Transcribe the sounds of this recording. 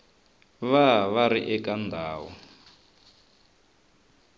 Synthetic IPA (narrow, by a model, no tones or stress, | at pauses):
βaβaɾiʔɛkʼand̪ʱaːwɔ